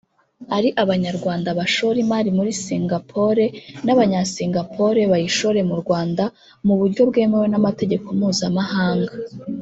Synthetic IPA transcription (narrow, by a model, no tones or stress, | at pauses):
aɾiʔaβaɲaɾɡwaːndaβaʃo̞ɾimaːɾimuɾisiŋɡapʰo̞ɾe̞naβaɲasiŋɡapʰo̞ɾe̞βajiʃo̞ɾe̞muɾɡwaːnda | muβuɾɟo̞bɡe̞ːme̞we̞namate̞ɟe̞ko̞muːzamahaːŋɡa